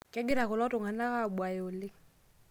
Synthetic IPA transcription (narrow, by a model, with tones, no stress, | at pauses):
kɛ˦ɡɪ˦ɾa˨ko˨lɔ˦tʊ˨ŋa˨na˦ka˦˨ɓwa˨jo˨lɪ˦ŋ